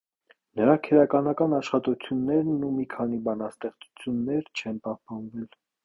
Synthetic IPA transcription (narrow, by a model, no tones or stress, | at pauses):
nəɾɑkʰəɾɑkɑnɑkɑnɑʃχɑt̪ut͡sʰjunːɛɾnumikʰɑnibɑnɑst̪ɛχt͡su̥t͡sʰjunːɛɾt͡ʃʰɛnpɑhpɑnvɛl